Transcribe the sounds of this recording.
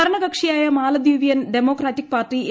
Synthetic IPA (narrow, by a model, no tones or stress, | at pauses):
ɐɾɐɳɐɡɐkʂijaːjɐmaːlɐd̪uːʋijɐnɖemo̞ːkraːtːik̚paːrʈːi